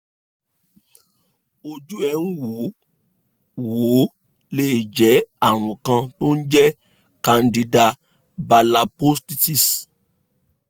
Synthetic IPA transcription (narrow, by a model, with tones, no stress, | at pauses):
o˧d͡ʒu˦ɛ˧˦nũ˦wo˨˦ | wo˨˦ | le˦˨i˨d͡ʒɛ˨˦a˦˨ɾ̃ũ˨kã˧to˦n̩˦d͡ʒɛ˦ | kã˧ndi˧da˧ | ba˧la˧po˦sti˦ti˦˨s